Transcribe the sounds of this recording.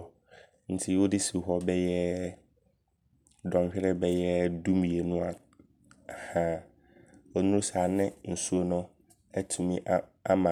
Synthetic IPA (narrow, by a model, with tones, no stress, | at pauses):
n̩˨tʰɪ˦wʊ˦dɪ˦si˨ɦɔ˦bɛ˦jɛ˦ | dɔ̃˨m˨ɕᶣɛ˦ɾɛ˦bɛ˦jɛ˦dũ˦mĩ˨e˨nʊ̃˦a˨ | hã˦ | ɔ˨nũ˦saː˨nɪ̃˦n̩˨su˦o˦nʊ̃˦ | ɛ˦tʰũ˨mĩ˦ʔa˦mã˨